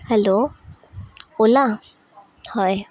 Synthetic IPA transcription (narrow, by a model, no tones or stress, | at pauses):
hɛlo | ʊla | hɔj